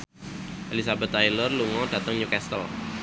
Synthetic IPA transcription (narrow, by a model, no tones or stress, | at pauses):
ʔelisabət̪ːajlərluŋɔd̥a̤t̪əŋɲukɛst̪əl